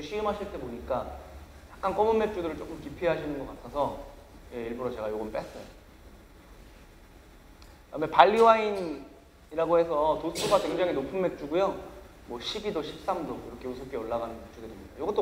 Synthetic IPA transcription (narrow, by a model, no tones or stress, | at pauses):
eɕʰiɯmɦaɕʰiɭt͈e̞poɲik͈a | jak͈ank͈ʌmunmːek̚t͡ɕ͈udɯɾɯɭt͡ɕ͈ok͈ɯmkipʰeɦaɕʰinɯnɡʌk͈atʰʌsʰʌ | je̞iɭbuɾʌt͡ɕe̞ɡajoɡʌnp͈es͈ʌjo | amepaɭːiwain | iɾaɡoɦe̞sʰʌtosʰuɡakwe̞ŋd͡ʑaŋinopʰɯnme̞k̚t͡ɕ͈uɡujo | mwʌɕʰibidoɕʰip̚s͈amdoiɾʌkʰe̞usʰokʰeʌɭːaɡanɯnmek̚t͡ɕ͈udɯɾimidajoɡʌt͈o